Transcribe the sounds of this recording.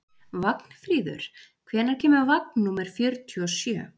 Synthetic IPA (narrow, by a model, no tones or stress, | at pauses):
vakn̥fɾiːðʏ̰ɾ̥kʰvɛːnaɾ̥cʰɛːmʏvak̚nːuːmɛɾ̥fjœɾt̪ʰyɔsjœ̰ː